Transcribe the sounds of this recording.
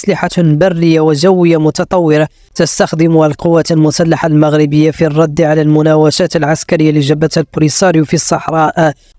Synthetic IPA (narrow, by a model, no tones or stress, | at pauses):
slɪħabarːəjːawəʒæwːəjːamʊt̪ɑt̪ˤɑwːɪɾa | t̪əst̪axd̪əmuhælqʊwːat̪lmʊsælːaħalmaɣɾɪbəjːafirˤːɑd̪ːʕalælmʊnæwæʃæt̪lʕaskæɾəjːaliʒæbːæt̪hælbɾisɑɾjufisˤːɑħɾˤɑʔ